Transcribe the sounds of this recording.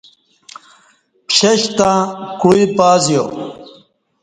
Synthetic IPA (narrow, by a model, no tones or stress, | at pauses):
pɕɐɕt̪ãːkuipaːzjo